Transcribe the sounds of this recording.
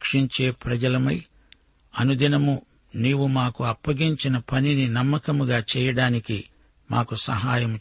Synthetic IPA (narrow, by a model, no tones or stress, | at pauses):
kʂiɲt͡ʃe̞ːpɾɐd͡ʒɐlɐmɐj | ɐnud̪inɐmu | niːwumaːkuɐpːɐɡiɲt͡ʃinɐpɐnininɐmːɐkɐmuɡaːt͡ʃɛːjɐɽaːniki | ma̰ːkusɐɦaːjɐm